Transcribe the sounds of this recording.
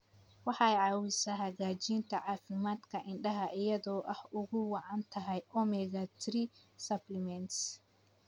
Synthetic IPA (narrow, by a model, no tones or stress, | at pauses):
wɑħɑɛjʕɑːwɪsɐɦɐɣaːt͡ʃiːnt̪ʰɐʕɑːfɪmaːd̪kʰɐʔɪɳɖɐɦɐʔɪjɐðɔːʔɐhʊɣʊwɑʕɑnt̪ʰɐɦɛjʔɔmɛɣat̪ʰɪɾɪsɐblɛmɛnt̪s